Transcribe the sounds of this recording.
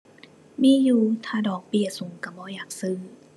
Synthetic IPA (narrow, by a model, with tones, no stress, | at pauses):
miː˧˥˨juː˧˩t̪ʰaː˧˩dɔː˨˩k̚pi˧˩əsu˨˩˦ŋka˧˩bɔː˧˦jaː˨˩k̚sɯː˧˩˨